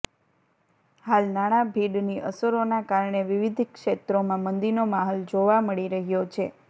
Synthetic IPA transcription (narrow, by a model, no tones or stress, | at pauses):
halnaɽ̃abʱiɖniʔə̰səɾonakaɾɳeʋiʋid̪ʱkʃet̪ɾomãmənd̪inomaɦold͡ʒoʋaməɭiɾəɦjot͡ʃʰe